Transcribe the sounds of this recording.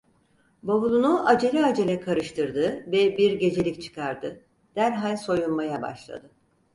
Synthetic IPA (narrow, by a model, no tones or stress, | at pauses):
baβulˠunuʔad͡ʒe̞lʲɛad͡ʒe̞lʲɛkʰaɾɯʃt̪ʰɯɾd̪ɯvɛbiɾɟe̞d͡ʒe̞lʲict͡ʃʰɯ̥kʰaɾd̪ɯ | d̪̥æɾɦalʲso̞junmajaba̰ʃlˠa̰d̪ɯ